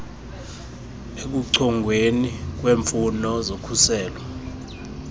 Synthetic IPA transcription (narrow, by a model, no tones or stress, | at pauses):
ek̬uǀʰɔŋɡʱwenik̬weːɱfunɔzokʰusɛːlɔ